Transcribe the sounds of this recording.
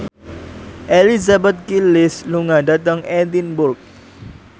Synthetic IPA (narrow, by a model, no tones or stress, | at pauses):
ʔelizabɛt̪̚kilɪsluŋadat̪əŋɛt̪inbʊrk̚